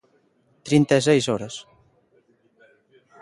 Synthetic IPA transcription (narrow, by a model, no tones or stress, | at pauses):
t̪ɾint̪es̬ɛjsɔɾɐs